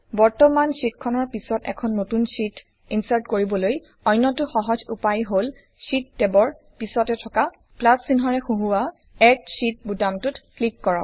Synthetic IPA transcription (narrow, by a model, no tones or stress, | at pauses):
bɔɹtɔmansitkʰɔnɔɹpisɔtɛ̰kʰɔnːotunsit | insaɹtkoɹibɔloj | ɔjnːɔtʊxɔɦɔzupajɦol | sit̚ːɛbɔɹ | pisɔtɛtʰɔka | plasːinɦɔɹɛxuɦuwa | ɛk̚sit̚budamtutklikːɔɹɔ̰